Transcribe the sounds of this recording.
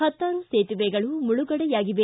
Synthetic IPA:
ɐt̪ːaːnuseːt̪iʋeːɡɐɭumuɭuɡɐɽɐjaːɡiʋe

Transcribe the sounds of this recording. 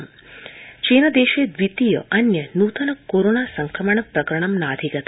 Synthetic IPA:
m | t͡ʃinəd̪eʃed̪ʋit̪ijə̰ʔɐnjənut̪ənəkoɾonasəŋkʰɾəməɳpɾɐkɾəɳ̃əmnaəd̪ʱikət̪ʰ

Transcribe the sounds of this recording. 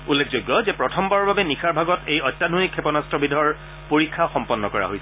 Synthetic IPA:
ulːekʰzojɡːɔzɛpɹɔtʰɔmbaɹɔɹbabɛnixʰaɹbʱaɡɔtejɔjtːanʱonikʰːɛpɔnastɹɔbidʱɔɹ | poɹikʰːaxɔmpɔnːɔkɔɹa̰ɦojsɛ

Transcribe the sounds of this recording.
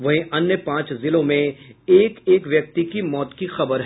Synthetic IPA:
ʋɐɦĩʔɐnːjəpãːt͡ʃzɪlõmẽeːkeːkʋjɐk̚t̪ikimɔːt̪kixɐbəɾɦ

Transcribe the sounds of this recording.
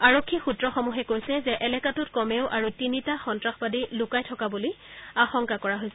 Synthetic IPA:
aɹokʰːixutɹɔxɔmuɦɛkoɹjsɛzɛʔɛlɛkatutkɔmeʊʔaɹutinitaxɔntɹaxbadilukajtʰɔkabuliaxɔŋkakɔɹaɦojsɛ

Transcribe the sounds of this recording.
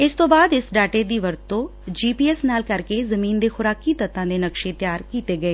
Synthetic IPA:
ɪst̪õːbaːd̪ɪsɖaːʈeːd̪iːʋəɾt̪t̪õː | d͡ʒiːpiːɛːsnaːlkəɾkeːzəmĩːnd̪eːxʊɾaːkiːt̪ət̪ːãːd̪eːnəkʃeːt̪jaːɾkiːt̪eːɡəeː

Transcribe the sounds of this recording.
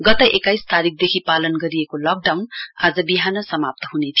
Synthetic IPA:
ɡʌt̪ʌʔekajst̪aɾik̚ʰd̪ekʰipalʌnɡʌɾiekolʌk̚ɖawna̰d͡zʌbiɦanʌsʌmap̚t̪ʌɦunet̪ʰijo

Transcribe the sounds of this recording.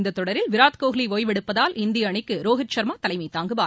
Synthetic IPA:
nd̪ɐt̪ːɔɽɐɾɪlʋɪɾaːt̪koːɣɪliʋoːjʋɛɽɯpːɐðaːlʔɪnd̪ɪjɐːɳɪkːɯɾoːɣɪt͡ʃːɐɾmaːt̪ɐlɐɪmɐɪt̪aːŋɡɯʋaː

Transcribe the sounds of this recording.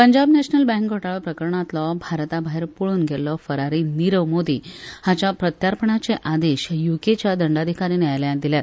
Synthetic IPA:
pəɲd͡ʑabnɛɕnəlbɛ̃ŋkɡʱoʈaɭɔpɾəkəɾəɳat̪lɔbʱaɾt̪abaɦiɾpoɭuːnɡʱelːɔfəɾaɾiniɾəʋmod̪iːhat͡ɕjapɾət̪jaɾpəɳat͡seʔad̪eɕjuket͡ɕjad̪əɳɖad̪ʱikaɾiːneajljad̪iljat̪

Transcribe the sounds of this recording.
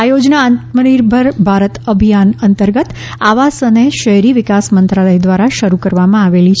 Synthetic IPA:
ajod͡ʒnaːnt̪məniɾbʱəɾbʱaɾət̪əbʱijanənt̪əɾɡət̪ | aʋasəneʃəɦɾiʋɪkasmənt̪ɾaləjd̪ʋaɾaʃəɾukəɾʋamãaʋelit͡ʃʰ

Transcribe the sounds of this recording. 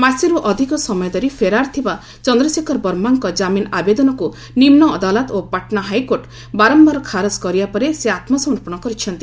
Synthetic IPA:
masiɾuʔɔd̪ʱikɔsɔmɔjɔd̪ɔɾipʰeɾaɾt̪ʰiba | t͡ʃɔnd̪ɾɔsikʰɔɾbɔɾmaŋkɔd͡ʒaminabed̪ɔnɔku | nimnɔːd̪alɔt̪opaʈnaɦajkoɾʈ | baɾɔmbaɾɔkʰaɾɔskɔɾibapɔɾeseat̪mɔsɔmɔɾpɔɽ̃ɔkɔɾit͡ʃʰɔnt̪i

